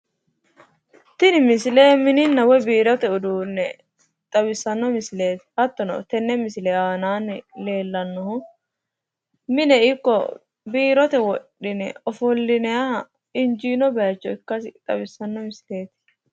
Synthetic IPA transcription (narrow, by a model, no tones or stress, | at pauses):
t̪ɪnɪmɪsɪleːmɪnɪnːɐwɔjbiːɾɔt̪ɛʊd̪uːnːɛ | t̪ʼɐbɪsːɐnːɔmɪsɪle̞ːt̪ɪ̥hɐt̪ːɔnɐ̰t̪ɛnːɛmɪsɪlɛaːnaːnle̞ːlːɐnːɔhʊ | mɪnɛɪkːɔ̰ | biːɾɔt̪ɛwɔᶑːɪnɛɔfɔlːɪnɛja | ɪnd͡ʒiːnɔbɛɐt͡ʃːɔɪkːɐsɪt̪ʼɐbɪsːɐnːɔmɪsle̞ːt̪ɪ̥